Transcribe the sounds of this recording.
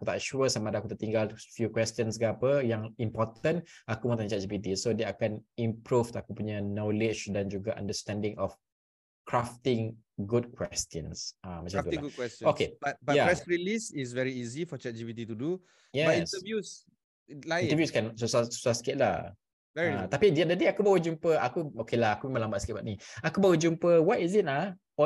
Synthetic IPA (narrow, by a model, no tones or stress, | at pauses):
akut̪a̰ʔʃuəsamadakut̪aʔt̪iŋɡalfjukwɛst̪jə̃nsɡaapəjaŋimpɔt̪ənakumə̃t̪ãɲt͡ʃɛt̪̚d͡ʒibit̪̬isodeakanĩmpɾuft̪akupuɲənɔlɪt͡ʃdand͡ʒuɡaʔã̰ndəst̪ɛ̃ndɪ̃ŋɔf | kɹaft̪ɪ̃ŋ | ɡud̚kwɛst̪jə̃nsamat͡ʃamt̪ulaɡukwɛstokebat̚bajaɛsɹilisis̬vɛɹiizifɔt͡ʃɛd͡ʒivit̬itudu | jɛbaĩstəvjus | laĩntəvjuskansosassaskɪt̚la | vɛɹiat̪apidiat̚dədeakubawəd͡ʒumpəakuokelahakumẽmãŋlãmbaʔsket̚baʔ̚niakubawəd͡ʒumpəwɔtizit̚a | ɔ